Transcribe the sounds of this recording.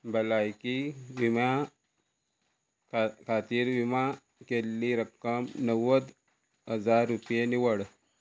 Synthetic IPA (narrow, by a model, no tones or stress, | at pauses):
bɐlajkiwima | kʰat̪iɾwima | kelːiɾɐkːɐmnəwəd̪ | ɦɐzaːɾːupijeniwɐɽ